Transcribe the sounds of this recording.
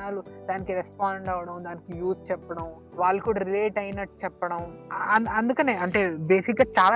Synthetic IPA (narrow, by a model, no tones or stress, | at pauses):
aːlud̪aːnikiɾespaːɳɖɐːʋɐɽɐmd̪aːnikijuːs̚t͡ʃɛpːɐɽɐm | ʋaːɭːɐkuːɽaːɾileːʈɐjinɐʈːu̥t͡ʃɛpːɐɽɐmɐɐnd̪ukɐne̞ːɐɳʈe̞ːbe̞ːsikɡaːt͡ʃaːlaː